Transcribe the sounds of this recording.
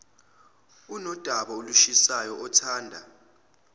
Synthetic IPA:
unɔd̥ʱaɓaoluʃisajɔɔtʰaːndʱa̰

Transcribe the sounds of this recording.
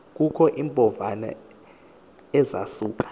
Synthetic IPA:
k̬ʼukʰɔʔimpʼɔvana̰ | ɛza̰suːk̬ʼḁ

